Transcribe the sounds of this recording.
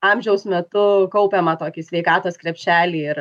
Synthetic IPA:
ɑmʲʒʲɛʊsmʲɛt̪ʊkɐʊpʲeːmɐt̪oːkʲɪsʲʋʲɛɪkɑːt̪oːskɾʲɛpʲʃʲæːlʲiːɪɾ

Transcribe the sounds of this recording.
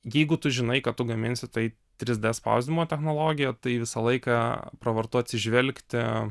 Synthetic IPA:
jɛɪɡʊt̪ʊʒʲɪnɐɪkɐt̪t̪ʊɡɐmʲɪnʲsʲɪt̪ɐɪ | t̪ʲɾʲɪzʲd̪ʲɛspɐ̰ʊzʲd̪ʲɪmoːt̪ʲɛxnoːlˠoːɡʲɪjɛt̪ɐɪʋʲɪsɐlˠɐɪkɑpɾɐʋɐrt̪ʊɐt̪ʲsʲɪʒʲʋʲɛlʲkt̪ʲɪ

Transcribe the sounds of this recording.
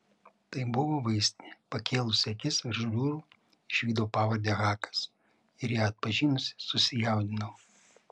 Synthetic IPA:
t̪ɐɪbʊʋoːʋɐɪsʲt̪ʲnʲepɐkʲʰeːlˠʊsʲɛkʲɪsɪʒʊlʲuːɾuː | ɪʃʲʋʲiːd̪oːpɑːʋɐɾʲd̪ʲeːɣɑːkɐ̥s | ɪɾjæːɐt̪̚pɐʒʲiːnʊsʲɪ̥sʊsʲɪjɛˑʊd̪ʲɪnɐʋo

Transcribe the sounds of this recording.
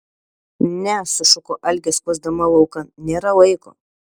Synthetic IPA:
nʲɛsʊsʊkoːʔɐlʲɡʲɛspuzd̪ɐmɐlˠɐʊkɐnʲeːɾɐlˠɐɪko̰ː

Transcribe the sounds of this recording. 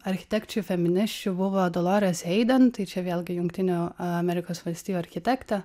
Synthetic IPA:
ɐɾʲxʲɪ̥t̪ʲɛkt͡ʃʲufʲɛmʲɪnʲɪʃʲt͡ʃʲʊbʊʋoːd̪olˠoːɾʲɛsɛɪd̪ʲɐnt̪ɐɪt͡ʃʲɛʋʲeːlˠʲɡʲɪjʊŋkt̪ʲɪnʲuɐmʲɛɾʲɪkoːsʋɐlʲsʲt̪ʲiːjuɐɾʲxʲɪt̪ʲækt̪ɐ

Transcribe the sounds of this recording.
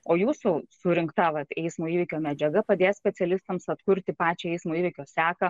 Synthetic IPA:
oːjuːsusʊɾʲɪŋkt̪ɐʋɐt̪ɛɪsmoːiːʋʲɪkʲoːmʲɛd͡ʒʲɛɡɐpɐd̪ʲeːtsʲpʲɛt͡s̪ʲɛlʲɪst̪ɐmsɐt̪kʊɾʲt̪ʲɪpɑːt͡ʃʲoɛɪsmoːiːʋʲɪkʲoːsʲæːkɐ

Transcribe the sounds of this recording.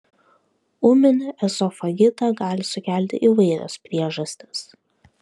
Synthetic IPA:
ʊmʲɪnʲɪʔɛsɔfɐɡʲɪt̪ɐɡɑːlʲɪsʊkʲæˑlʲt̪ʲɪ̰ʔiʋɐɪɾʲɛ̰spʲɾʲiɛʒɐsʲt̪ʲɪs

